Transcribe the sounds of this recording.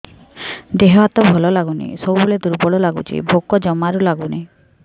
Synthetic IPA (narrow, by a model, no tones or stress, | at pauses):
d̪eɦwat̪ɔbʱɔlɔlaɡunḭsɔbubulɭed̪uɾbɔɽɔlaɡut͡ʃʰḭbʱokɔd͡ʒɔmaɾulaɡuni